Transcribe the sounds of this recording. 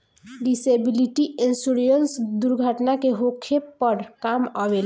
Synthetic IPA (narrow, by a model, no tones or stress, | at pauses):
ɖisebiliʈiʔensuɾijənsd̪uɾɡʱəʈnakeɦokʰepːəɾkaməbel